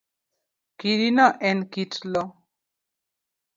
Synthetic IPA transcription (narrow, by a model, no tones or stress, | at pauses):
kiɾinaʔɛnkitlɔ